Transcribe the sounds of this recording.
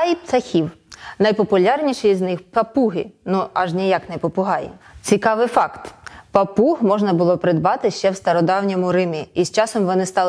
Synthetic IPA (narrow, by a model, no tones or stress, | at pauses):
jp̪sɐxʲiwnɐjpɔpʊlʲɑrnʲiʃɛjznɪxpɐpuɦɪ̰nuɐʒnʲijaknɛpɔpʊɦɑjḭt͡sʲikɑʋɪfɑkt̪pɐpuɦmɔʒnɐbʊlˠɔpɾɪd̪bɑt̪ɪʃt͡ʃɛwst̪ɐɾɔd̪ɑwnʲimʊɾɪmʲiːst͡ʃɑsɔmʋɔnɪst̪ɑlˠ